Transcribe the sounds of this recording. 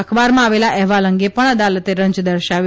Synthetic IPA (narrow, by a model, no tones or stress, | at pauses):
əkʰbaɾmãaʋelaʔɛɦʋaləŋɡepəɳ̃əd̪alət̪eɾəɲd͡ʒd̪əɾʃaʋ